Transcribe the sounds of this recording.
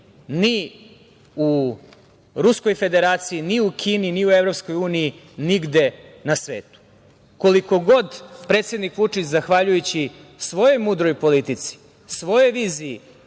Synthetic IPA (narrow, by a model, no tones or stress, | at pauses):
ni | u | ɾusko̞jfe̞d̪e̞ɾaːt̪sijiniukʰiːniniuevɾo̞psko̞juːniji | niɡd̪e̞nasʋḛːt̪u̥ | ko̞liko̞ɡo̞d̪pɾet̪se̞d̪nikʋut͡ʂit͡ɕzaxʋaʎujut͡ɕisʋo̞jo̞mud̪ɾojpo̞lit̪it̪si̥ | sʋo̞jeʋiːzii